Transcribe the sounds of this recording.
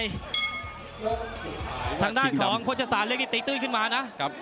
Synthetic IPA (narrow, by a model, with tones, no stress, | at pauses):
j | aː˧ŋdaː˧˥˩nkʰɔː˩˦ŋkʰo˥˩t͡ɕʰa˧˩saː˨˦˥nlɯ˧˥əŋniː˧˩t̪i˨˦˥t̪̚ːɯː˧˥˩kʰɯ˧˩maː˧na˦˥˦p̚